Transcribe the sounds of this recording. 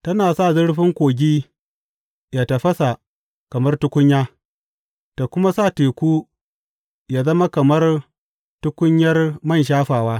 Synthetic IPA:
tɐ˦naː˨sa˦˨zɪ˦ɽɸɪ˦ŋkʷoː˨ɡʲiː˦ | jaː˨tɐ˨ɸɐ˦sa˨ | kɐ˨mɐ˦rtʊ˦kʷʊ˦ɲjaː˦ | ta˨kʷʊ˦ma˦saː˦˨teː˨kʷuː˦ | jaː˨zɐ˦ma˦kɐ˨mɐ˦r | tʊ˦kʷʊ˦ɲjɐ˦rmɐ˦nʃ̬aː˦ɸaː˨waː˦

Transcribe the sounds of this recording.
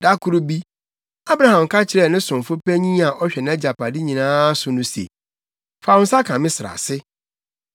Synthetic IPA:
da˦kʰu˦ɾu˦bi˦ | a˦bɾa˨hã˨m˨kʰa˦t͡ɕʰɪ˦ɾɛ˨nɪ̃˦sʊ̃˨m˨fʊ˦pɛ˦ɲĩ˦a˨ʔɔ˦ɕᶣɛ˨nã˦d͡ʑa˨pa˨dɪ˦ɲĩ˨nãː˦sʊ˨nʊ̃˦sḛ˨ | fa˨ʊ̃˦n̩˦sa˦kʰã˨mɪ̃˦sɪ˨ɾa̰˨sɪ˦

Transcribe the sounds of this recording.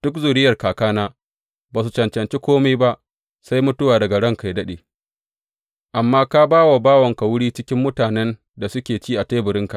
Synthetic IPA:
d̥ʊ˦k̬zuː˨ɽɪ˦jɐ˨rkaː˨kaː˦naː˦ | baː˨su˨t͡ʃɐ˨nt͡ʃɐ˨nt͡ʃe˦kʷoː˦meː˦ba˦ʔ | sa˦jmʊ˦tʊ˦waː˨dɐ˨ɡa˨ɽɐ˦ŋka˨jdɐ˦ɗeː˨ | ʔa˨mːaː˦ka˦baː˦wa˨baː˦wɐ˨ŋka˨wʊ˦ɽiː˦t͡ʃɪ˦kʲɪ˦mːʊ˦taː˨nɛ˦n | da˨sʊ˦kʲeː˨t͡ʃiː˦ʔa˨teː˦bʊ˨ɾɪ˦ŋka˨ʔ

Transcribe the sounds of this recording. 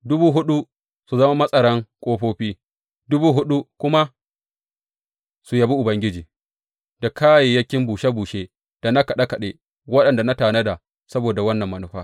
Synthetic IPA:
dʊ˦buː˦ɦʊ˦ɗu˦ | su˨zɐ˦ma˦mɐ˦sʼɐ˨ɽɐ˦ŋkʷʼoː˦ɸoː˦ɸiː˦ | dʊ˦buː˦ɦʊ˦ɗu˦kʷʊ˦ma˦ | su˨jɐ˨bi˦ʔʊ˨bɐ˦ŋɡʲɪ˦d͡ʒiː˨ | da˨kʰaː˦je˨jɐ˦kʲɪ˦mbuː˨ʃa˦buː˨ʃeː˦ | d̥a˨na˦kɐ˨ɗa˦kɐ˨ɗe˦ | wɐ˦ɗɐ˨nda˨na˦taː˨nɐ˦da˨ | sɐ˦boː˨da˨wɐ˦nːɐ˨mːɐ˨nʊ˦ɸa̰ː˦

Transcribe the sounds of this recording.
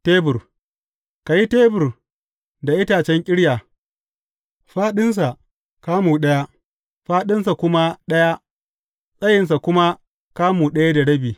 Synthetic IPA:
teː˦bʊ˨r | ka˨ji˦teː˦bʊ˨r | da˨ʔɪ˦taː˨t͡ʃɛ˦ŋkʲʼɪ˦ɽjaː˨ | ɸaː˦ɗɪ˦ns̬a˨ʔ | kaː˦muː˨ɗɐ˦ja˦ | ɸaː˦ɗɪ˦ns̬a˨kʷʊ˦ma˦ɗɐ˦ja˦ | sʼɐ˦jɪ˨ns̬a˨kʷʊ˦ma˦ | kaː˦muː˨ɗɐ˦ja˦da˨ɽɐ˦biː˨

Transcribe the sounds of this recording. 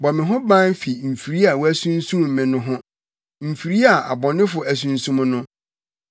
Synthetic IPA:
bɔ˨mɪ̃˨ɦʊ̃˦bã˦n˦fi˨m̩˨fi˨ɾi˦a˨wɔ˦æ˦sũ˦n˦sũ˦m˨mɪ̃˨nʊ̃˦ɦʊ̃˦ | m̩˨fi˨ɾi˦a˨ʔa˨bɔ̃˨nɪ̃˦fʊ˨æ˨s̬ũ˦n̩˦sũ˦m˦nʊ̃˦

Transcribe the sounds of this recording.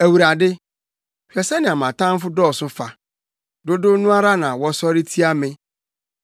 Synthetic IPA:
æ˨wu˨ɾa˨dɪ˦ | fᶣɛ˨sɛ˦nɪ̃˨a˨mã˨tʰã˦m˦fʊ˦dɔː˦˨sʊ˦fa˨ | dʊ˦dʊ˦nũ˦a˦ɾa˦nã˨wɔ˦sɔ˦ɾɪ˦tʰi˦a˦mɪ̃˦

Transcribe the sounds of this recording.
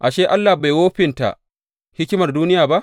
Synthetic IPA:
ʔa˨ʃe˦ʔa˦lːaː˨ba˨jwoː˦ɸɪ˨nta̰˨ʔ | hɪ˦kʲɪ˦mɐ˨rduː˦nɪ˦jaː˨ba˦ʔ

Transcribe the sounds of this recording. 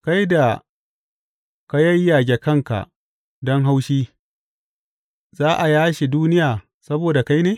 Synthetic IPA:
ka˦jda˨ | ka˦jɐ˦jːa˨ɡʲe˨kɐ˦ŋka̰˨ʔ | dɔ˦ŋɦa˦wʃiː˦ | zaː˦ʔa˨jaː˦ʃe˨duː˦nɪ˦jaː˨ | sɐ˦boː˨da˨ka˦jneː˨

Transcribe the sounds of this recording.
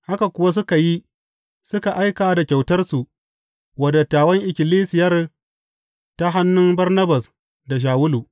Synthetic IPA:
ha˦ka˨kʷʊ˦wa˦s̬ʊ˦ka˨ji˦ | sʊ˦ka˨ʔa˦jkaː˨da˨kʲa˨wtɐ˦rsu˨ | wɐ˦da˨taː˨wɐ˦ŋʔɪ˨kʲɪ˨liː˦sɪ˨jɐ˦r | ta˦ɦa˦nːʊ˦mbɐ˦rnɐ˦ba˨s | da˨ʃ̬aː˨wʊ˦luː˨

